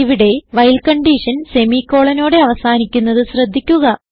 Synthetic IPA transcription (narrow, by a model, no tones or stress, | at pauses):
iʋiɽe̞ʋɐjlkɐɳɖiːʂɐnse̞mikːo̞ːɭɐno̞ːɽe̞ɐʋɐsaːnikʲːunːɐðɨɕrɐd̪ʱːikʲːuɣɐ